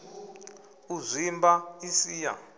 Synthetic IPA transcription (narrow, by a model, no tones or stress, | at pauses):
uzʷimbaisiːja̰